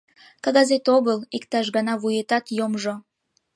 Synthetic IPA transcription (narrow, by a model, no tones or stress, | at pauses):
kɑɣɑzet̪oɣəlikt̪ɑʃ̬ɣɑnɑβujet̪ɑt̪jomʒo